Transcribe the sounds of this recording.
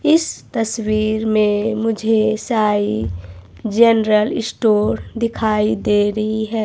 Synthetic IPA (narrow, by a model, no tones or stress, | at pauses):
ɪst̪əswiːɾmẽmʊd͡ʒʱesaːi | d͡ʒɛnɾəlɪsʈoːɾd̪ɪkʰaːid̪eːɾəɦiɦɛː